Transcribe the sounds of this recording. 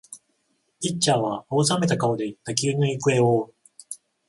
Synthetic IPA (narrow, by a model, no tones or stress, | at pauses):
it͡ɕːaːβaoːs̬ame̞t̪akao̞d̪e̞it̪ːakʲiɯnoikɯ̟e̞oː